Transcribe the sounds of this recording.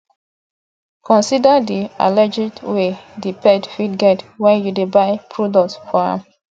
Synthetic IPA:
kʰɔ̃nsidadia̰lɛd͡ʒidwedipɛdfidɡɛtwɛ̃njudebaɪpʰɹɔdɔktfɔɹã̰m

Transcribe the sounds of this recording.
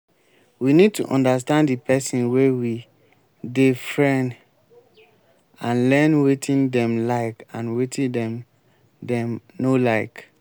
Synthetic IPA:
winid̚tʰṵʔɔ̰̃ndas̬tãnddipɛsĩnwewi | defɹɛ̃nd | ãnlɛnwetʰĩndɛ̃mlaɪkãnwetʰĩdɛ̃m | dɛ̃mnolaɪk

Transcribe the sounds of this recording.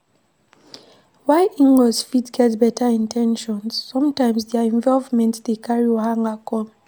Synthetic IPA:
waɪʔĩŋɡɔzfitsɡ̥ɛtbɛtʰəĩntʰɛ̃nʃɔ̃nz̥ːʌ̃mtãɪ̃mzðɛɛ̃ɱvɔlvmɛ̃ntsðekʰaɹiɔhãŋakɔ̃m

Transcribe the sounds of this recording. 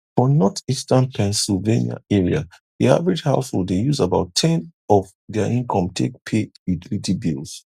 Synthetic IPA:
fɔ̃nɔtistãnpʰɛ̃nsilvenia̰ɛɹia | ðia̰vɹid͡ʒhaʊsho̰ldejuzabaʊtʰɛ̃nɔv | ðɛəʔĩnkʰɔ̃mtʰḛk̚pʰejutilitibilˠs

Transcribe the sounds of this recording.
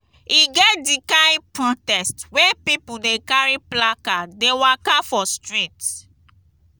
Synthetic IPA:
iɡɛt̚dikaj̃pɹɔtɛstwɛpipudekaɹiplakadewakafɔstɹĩt

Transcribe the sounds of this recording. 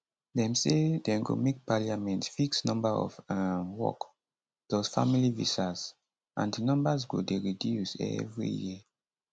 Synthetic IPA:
dɛ̃msedɛ̃ɡo̰mek̚paliamɛ̃ntfiksnɔ̃mbaɔ̰vawɔ̰k | d̥ɔsfamilivḭsaz | ʔãndinɔ̃mbazɡodeɹidjusɛ̰vɹḭjḭ

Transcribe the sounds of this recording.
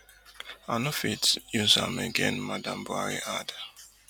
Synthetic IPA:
anofitjuzã̰meɡɛ̰̃nmadãmbwa̰ɹiʔad

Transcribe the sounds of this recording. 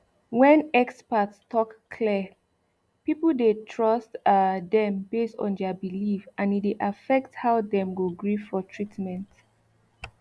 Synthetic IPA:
wɛ̃nɛkspatstʰɔkːʰli | pipl̩detʰɹʌstdɛ̃mbestɔ̰̃ndɛbilifãnideʔafɛk̚thawdɛ̃mɡoɡɹiffɔtʰɹitmɛ̃nt

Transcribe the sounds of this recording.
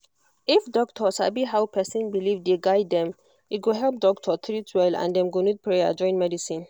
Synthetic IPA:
ʔifdɔktʰɔsa̰biɦawpʰɛsĩnbilivd̪eɡajd̪ːɛ̃m | it̚ɡuɦɛlp̚dɔktʰɔt̪ʰɹitwɛlã̰nd̪ɛ̃mɡunid̚pʰɹea̰d͡ʒɔ̃j̃nmɛdisĩn

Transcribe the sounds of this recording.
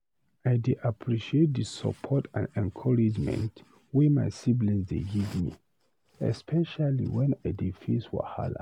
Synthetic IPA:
ajdeʔapʰɹiʃiet̚disə̰pʰɔtʰã̰nɛ̃nkʰɔɹid͡ʒmɛ̰̃nt | wema̰jsiblɛ̃nsdeɡivmi | ɛ̰spʰɛʃalḭwɛ̃najdifiswa̰ha̰la̰

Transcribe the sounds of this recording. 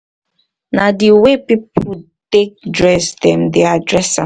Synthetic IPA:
nadiwepipʊ | tek̚dɹɛsdɛ̃mdeadɹɛsã

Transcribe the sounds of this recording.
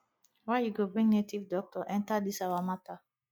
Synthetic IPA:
wajuɡobɹĩŋnetivdɔk̚tʰɔʔɛ̃ntadisawamata

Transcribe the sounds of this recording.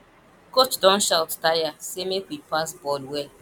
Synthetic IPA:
kot͡ʃdɔ̃nʃalttajasemekʷipasbɔlwe

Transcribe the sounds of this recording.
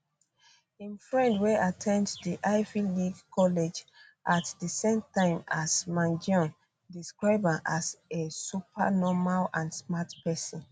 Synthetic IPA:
ĩnfɹɛ̃ndweʔatʰɛ̃nddiʔaɪviliɡkʰɔled͡ʒ | ʔatdisẽmtãɪ̃masmãnd͡ʒɔ̃n | diskɹaɪbãnʔasesupʰa̰nɔmalãnsmatpɛsɔ̃n

